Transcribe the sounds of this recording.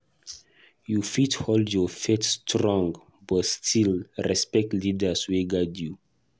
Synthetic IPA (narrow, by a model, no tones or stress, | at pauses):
jufitholdjɔfetstʰɹɔ̃ŋɡ | bɔtstʰilɹɛspɛk̚tlidəsweɡadju